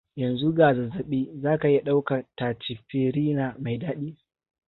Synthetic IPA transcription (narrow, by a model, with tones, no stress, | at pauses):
jɐ˨nzu˦ɡaː˨za˨za˨ɓiː˦zaː˦ka˨ji˦ɗa˦wka˨taː˨t͡ʃɪ˨ɸiː˦ɾiː˦na˨ma˨jdaː˦ɗiː˦